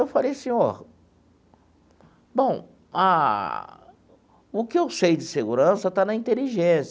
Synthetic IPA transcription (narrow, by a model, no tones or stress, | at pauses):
ewfalejɐsĩɔɾ | bõw̃ | a̰ | ʊkɪewsejd͡ʒɪseɡuɾɐ̃sɐt̪anɐĩnt̪eliʒẽs